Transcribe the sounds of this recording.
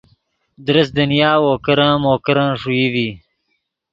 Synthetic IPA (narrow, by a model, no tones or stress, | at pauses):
d̪ɾɐs̚d̪ɐnijaːwoːkɐɾãːmoːkɐɾãːʂuiwiː